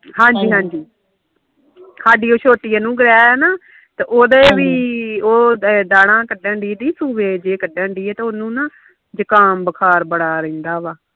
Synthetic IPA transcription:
ɦãːɲd͡ʒiːɦãːɲd͡ʒiː | saːɖiːoːt͡ʃʰoːʈijãːnũːɡəɾɛːaːnaː | t̪eːʔoːd̪aeːʋiːoːd̪aːɽãːkəɖə̃ːɳɖiːd̪iːsuːbeːd͡ʒeːkəɖə̃ːɳɖiːeːt̪eonũːnãː | d͡ʒəkaːnbəkʰaːɾbəɽaːɾẽːnd̪aːʋaː

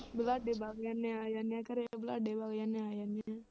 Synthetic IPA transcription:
blaɖebaɡjanẽaːjanãkəɾeblaɖebaɡjanẽajanã

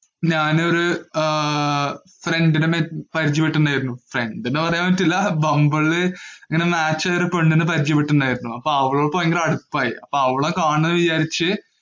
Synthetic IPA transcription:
ɲaːno̞ɾu | fre̞ɳɖinɨmpɐɾit͡ɕːipːeʈːunːaːjiɾunːufreɳɖinɨpɐrɐjaːmːɐtːilːɐbɐmbɐɭɨɐŋːɐne̞maːt͡ɕːaːjoɾupeɳɖinɨpɐɾit͡ɕːɐpːeʈːunːaːjiɾunːuɐpːoɐʋiɭoːɭpːojeŋɡɐlɐɽupːaːjiɐpːoɐʋiɭɐkaːɳenːɨʋit͡ɕaːɾit͡ɕːɨ

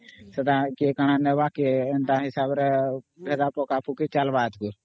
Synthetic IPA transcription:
səd̪aːkeːkaɽ̃ãːneʋaːkeend̪aɦɪsaːbɾɛbʱeːd̪aːpoːkaːpukit͡ʃəlʋaːt̪ɡuɾ

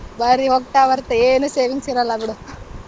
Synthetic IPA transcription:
bɐɾiɦoɡ̚ʈaːʋɐɾt̪eeːnuseːʋiŋɡsiɾɐlːabiɽum

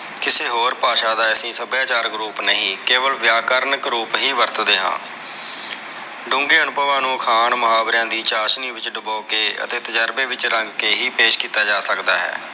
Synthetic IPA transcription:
kɪseːɦoːɾpaːʃaːd̪aːəsĩːsəbjaːt͡ʃaːɾkɾuːpnəɦĩːkeːʋəlʋjaːkəɾnəkɾuːpɦiːʋəɾt̪d̪eːɦã̰ː | ɖʊ̃ŋɡeːənʊpəʋãːnũːkʰaːɳmʊɦaːbɾãːd̪iːt͡ʃaːʃniːʋɪt͡ʃɖʊboːkeːə̰t̪eːt̪əd͡ʒəɾbeːʋɪt͡ʃɾəŋɡkeːɦiːpeːʃkiːt̪aːd͡ʒaːsəkd̪aːɦɛ̰ː

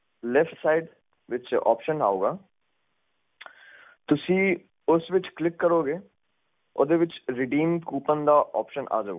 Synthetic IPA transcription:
lɛfʈsaːɪɖ | ʋɪt͡ʃɔ̰ːpʃəna̰ːoːɡaː | t̪ʊsĩː | ʊsʋɪt͡ʃklɪkːəɾoːɡeː | o̰d̪eːʋɪt͡ʃɾɪɖiːmkuːpənd̪aːʔɔ̰ːpʃənʔa̰ːd͡ʒa̰ṵɡ

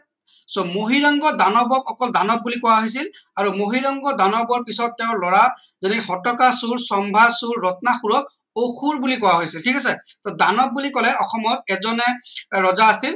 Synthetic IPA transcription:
somoɦiɹɔŋɡɔdanɔbɔkʰɔkɔldanɔb̚bulikɔwaɦojsil | aɹumoɦiɹɔŋɡɔdanɔbɔɹpisɔtːɛʊ̃lɔɹa | zɔnixɔtɔkasuɹsɔmbʱasuɹːɔt̚naxuɹɔk̚ | oxʰuɹbulikɔwaɦojsiltʰikas̬ɛtɔdanɔb̚bulikɔlɛɔxɔmɔtɛzɔnɛɹɔzaːsil

